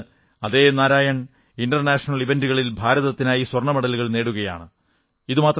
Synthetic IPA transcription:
ɐðeːnaːɾaːjɐɳ | inɖɐrnaːʂɐnɐɭiʋenduɣɐɭilbʱaːɾɐðɐt̪ːinaːjiswɐrɳɐmɐɽɐliɣɐɭne̞ːɽuɣɐja̰ːɳɨ | iðumaːt̪r

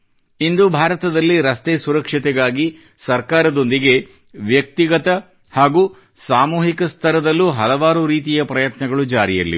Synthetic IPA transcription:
ind̪ubʱaːɾɐt̪ɐd̪ɐlːiɾɐst̪eːsuɾɐkʂiɐt̪ɛɡaːɡi | sɐɾkaːɾɐd̪o̞nd̪iɡe̞ | ʋjɐk̚t̪iɡɐt̪ɐ | haːɡu | saːmuːɦikɐst̪ʰɐɾɐd̪ɐlːuɦɐlɐʋaːɾuɾiːt̪̬ijɐpɾɐjɐt̪nɐɡɐɭud͡ʒaːɾijɐlːḭ

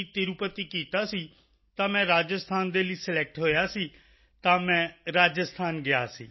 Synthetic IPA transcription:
it̪ɪɾupət̪iːkiːt̪aːsiː | t̪ãːmɛ̃ːɾaːd͡ʒəst̪ʰaːnd̪eːliːsəlɛːk̚ʈɦoːjaːsiː | t̪ãːmɛ̃ːɾaːd͡ʒəst̪ʰaːnɡɪaːsiː

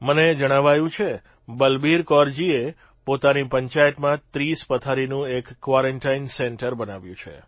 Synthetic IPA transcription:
məned͡ʒəɽ̃aʋajũt͡ʃʰe | bəlbiɾkɔɾd͡ʒie | pot̪anipəɲt͡ʃajət̪mãt̪ɾispət̪ʰaɾinũekːʋaɾəɳʈainsɛɳʈəɾbənaʋjũt͡ʃʰḛ

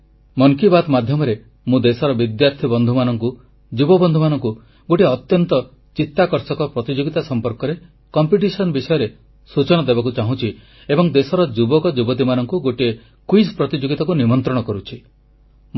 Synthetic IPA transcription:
mɔŋkibat̪mad̪ʱjɔmɔɾe | mũd̪esɔɾɔbid̪jaɾt̪ʰibɔnd̪ʱumanɔŋku | d͡ʒubɔbɔnd̪ʱumanɔŋku | ɡoʈiɔt̪jɔnt̪ɔ | t͡ʃit̪ːakɔɾsɔkɔpɾɔt̪id͡ʒoɡit̪asɔmpɔɾkɔɾe | kɔmpiʈ̬isɔnɔbisɔjɔɾe | sut͡ʃɔɽ̃ɔd̪ebak̬ut͡ʃaɦũt͡ʃʰi | ebɔŋd̪esɔɾɔd͡ʒubɔkɔd͡ʒubɔt̪̬imanɔŋkuɡoʈie | kwispɾɔt̪id͡ʒoɡit̪akunimɔnt̪ɾɔɽɔkɔɾut͡ʃʰi

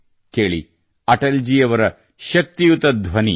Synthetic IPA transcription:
keːɭḭ | ɐʈɐld͡ʒijɐʋɐɾɐ | ʃɐk̚t̪ijut̪ɐd̪ʱʋɐnḭ

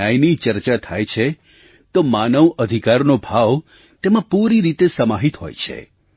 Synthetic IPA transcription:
ajnit͡ʃəɾt͡ʃat̪ʰa̰jt͡ʃʰe | t̪omanəʋəd̪ʱikaɾnobʱaʋ | t̪emãpuɾiɾit̪esəmaɦit̪ɦo̰jt͡ʃʰḛ

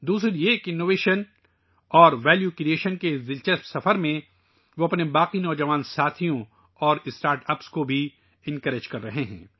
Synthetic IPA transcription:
d̪uːsɾieːkɪnːoːʋeːʃən | ɔːɾʋɛːljukɾieːʃənkezɪlt͡ʃəssɐfəɾmẽ | ʋoɐpnebaːqinɔːd͡ʒɐʋaːnsaːt̪ʰijõ | ɔːɾɪsʈaːɾʈɐpskobʱi | ɪ̃nkəɾed͡ʒkɐɾːɐɦeɦɛ̰̃ː

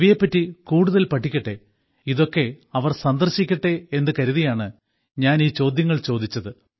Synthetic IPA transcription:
ʋijɐpːɐtːikuːɽuðɐlpɐʈʰːikʲːɐʈːe̞ | iðo̞kːe̞ɐʋɐrsɐnd̪ɐrɕikʲːɐʈːe̞end̪ɨkɐɾuðijaːɳɨ | ɲaːniːt͡ɕo̞ːd̪jɐŋːɐɭt͡ɕo̞ːd̪it͡ɕːɐðɨ

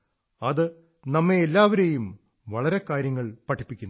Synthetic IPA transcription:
ɐðɨ | nɐmːeːlːaːʋɐɾejum | ʋɐɭɐɾe̞kaːɾjɐŋːɐɭpɐʈʰːi̥pːikʲːun

